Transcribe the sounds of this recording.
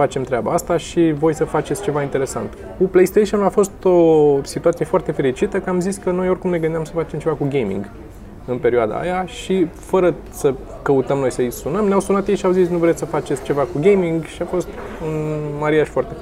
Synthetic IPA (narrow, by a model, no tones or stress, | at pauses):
fat͡ʃe̞mt̪ɾeaba̰ast̪aʃivo̞jsəfat͡ʃet̪sʲt͡ʃe̞vaint̪e̞ɾe̞sa̰nt̪ | kuplejst̪ejʃionulafo̞st̪osit̪uat̪sije̞foart̪e̞fe̞ɾit͡ʃit̪əkəamziskəno̞jo̞rʲkumne̞ɡɨnd̪amsəfat͡ʃe̞mt͡ʃe̞vakuɡʲejmḭŋɡ | ɨnpe̞ɾioad̪a̰a̰jaʃifəɾə | sə | kəut̪əmno̞jsəisunəmneawsunat̪jejʃiawzitsnuvɾet̪səfat͡ʃe̞t̪sʲt͡ʃe̞vakuɡʲejmiŋɡʃiafo̞st̪unmaɾiaʃfoart̪e̞